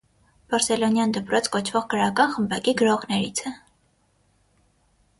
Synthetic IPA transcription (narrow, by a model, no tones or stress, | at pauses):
b̥ɑɾsɛlɔnjɑnd̪əpɾɔt͡sʰkɔt͡ʃʰvɔʁkəɾɑkɑnχəmbɑkiɡəɾɔʁnɛɾit͡sʰɛ